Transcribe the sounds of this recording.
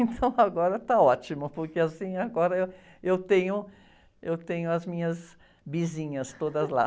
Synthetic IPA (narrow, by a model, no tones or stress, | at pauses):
ẽt̪ʰɐ̃w̃aɡɔɾɐt̪aɔt͡ʃimʊpoɾkeasĩaɡɔɾɐew | ewt̪ẽɲʊ | ewt̪ẽɲʊɐzmĩɲɐz | bizĩɲɐst̪od̪ɐzla̰